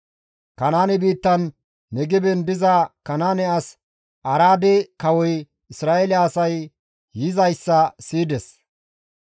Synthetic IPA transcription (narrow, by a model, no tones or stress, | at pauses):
kɐnaːnɛbiːt̪ːɐnː | ɛɡɪbɛnd̪ɪzɐkɐnaːnɛɐs | ʔɐɾaːd̪ɛkɐwɔj | ɪsɾaːʔelɪɐsɐj | jɪzɐjsːɐsiːd̪ɛs